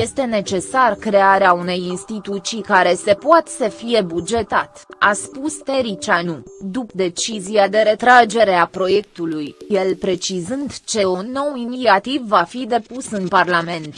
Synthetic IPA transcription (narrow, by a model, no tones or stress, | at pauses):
je̞st̪e̞ne̞t͡ʃe̞sarkɾe̞aɾeaune̞jinst̪it̪ut̪sijkaɾe̞se̞poat̪səfije̞bud͡ʒe̞t̪a̰t̪a̰spust̪e̞ɾit͡ʃanud̪upd̪e̞t͡ʃizijad̪e̞ɾe̞t̪ɾad͡ʒe̞ɾe̞apɾo̞je̞k̚t̪ulujje̞lpɾe̞t͡ʃizɨnd̪t͡ʃe̞onːo̞winiat̪ivːafid̪e̞pusɨnparlame̞nt̪